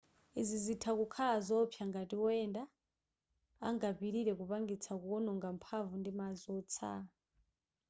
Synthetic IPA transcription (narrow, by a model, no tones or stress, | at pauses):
izizitʰakukʰalazɔpʰjaŋɡatiɔɛnda | ŋɡabiɾiɾɛkupaŋɡit͡sʰakuɔnɔŋɡam̩pʰavundimazɔt͡sʰa̰